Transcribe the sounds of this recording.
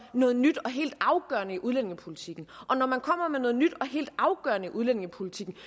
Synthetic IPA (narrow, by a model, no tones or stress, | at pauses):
nɔ̽ːð̞̩ˠnyd̥ɒ̽ɦe̝̰ːld̥ɑ̈ʊɡ̥ɶɐnəiʔuð̞ˠlen̰ɪ̝ŋəpʰo̝lit͡sʰiɡ̥n̩ʔɒ̽nɒmænkʰɒ̽m̰ɐmenɔ̽ːð̞̩ˠnyd̥ɒ̽ɦe̝̰ːld̥ɑ̈ʊɡ̥ɶɐnəiʔuðˠlen̰e̝ŋəpʰo̝lit͡sʰiɡ̥n̩